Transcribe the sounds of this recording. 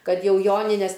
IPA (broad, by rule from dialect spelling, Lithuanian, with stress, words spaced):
ˈkɐt ˈjɛʊ ˈjoːnʲɪnʲɛs